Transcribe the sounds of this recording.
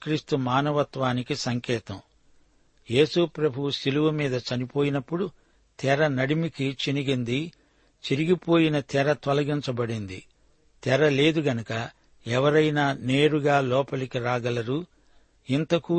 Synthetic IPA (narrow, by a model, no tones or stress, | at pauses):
kɾiːst̪umaːnɐʋɐt̪ʋaːnikisɐŋkɛːt̪ɐm | je̞ːsupɾɐbʱuwusiluʋɐmiːd̪ɐt͡ʃɐnipo̞ːjinɐpːuɽu | t̪ɛɾɐnɐɽimikit͡ʃiniɡind̪i | t͡ʃiɾiɡipo̞ːjinɐt̪ɛɾɐt̪ʋɐlɐɡiɲt͡ʃɐbɐɽind̪ḭ | t̪ɛɾɐle̞ːd̪uɡɐnɐkɐ | ɛʋɐɾɐjnaːne̞ːɾuɡaːlɔːpɐlikiɾaːɡɐlɐɾu | int̪ɐku